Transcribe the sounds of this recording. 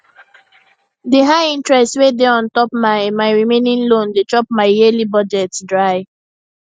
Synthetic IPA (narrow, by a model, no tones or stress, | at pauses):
diɦaɪĩntɹɛstwedeɔ̃ntɔpmaɪmaɪɹimẽnĩnlõndet͡ʃɔp̚maɪjelibɔd͡ʒɛtdɹaɪ